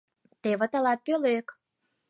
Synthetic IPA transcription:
t̪eβə̆t̪əlɑt̪̚pøløk

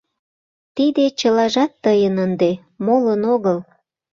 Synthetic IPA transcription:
t̪id̪et͡ɕəlɑʒɑt̪ːəjənənd̪e | molənoɣəl

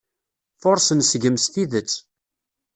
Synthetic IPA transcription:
fʊɾsənsɡəmsθiðət͡sː

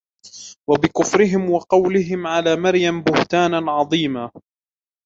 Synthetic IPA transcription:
wabɪkʊfɾɪɦɪmwɑqɑwlɪɦɪmʕalaːmaɾjambʊht̪aːnaʕɑðˤiːmaː

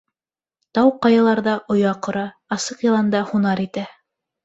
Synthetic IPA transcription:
t̪ɑwqɑjɑlˠɑɾðɑʔŏjɑqŏɾɑ | ɑsɤqjɤ̆lˠɑnd̪ɑhunɑɾit̪æ

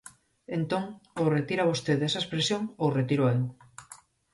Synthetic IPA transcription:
ent̪oŋoret̪iɾaβ̞ost̪eðesɐespɾesjoŋoret̪iɾoel

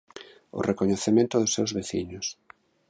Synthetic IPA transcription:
ʊ̰rekoɲeθemẽnt̪ʊðʊsːewzβeθḭɲʊs

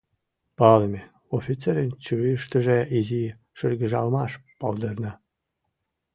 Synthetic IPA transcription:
pɑləmʲe | ofʲit͡seɾənt͡ɕuiʃt̪ə̆ʒeizi | ʃərɣəʒɑlmɑʃpɑld̪ərnə

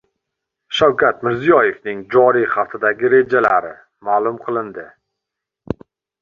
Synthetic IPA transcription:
ʃawkʲʰat̪mɪɾzijɒjefnɪŋd͡ʒɒɾijχɑft̪ʰɪd̪aɡʲɪɾe̞d͡ʒala̰ɾɪ̰ | malˠʊmqʰɨlˠɪnd̪ɪ

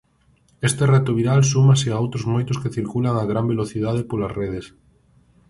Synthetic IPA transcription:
est̪erɛt̪oβiɾals̬umaseaowt̪ɾʊzmojt̪ʊskeθiɾkulaŋaɣɾambeloθið̞að̞epolasreð̞es

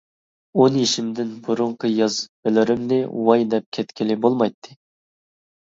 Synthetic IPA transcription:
onjiʃimd̪ɪnbuɾʊɴqʰəjɑzb̥ɪlɪɾɪmnɪwɑjd̪ɛp̚kʲʰɛt̪kʲʰilɪbolˠmɑjt̪ʰːɨ

